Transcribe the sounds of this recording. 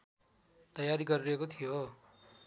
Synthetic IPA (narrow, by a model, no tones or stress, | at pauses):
t̪ʌjaɾiɡʌɾiɾʌekot̪ʰijo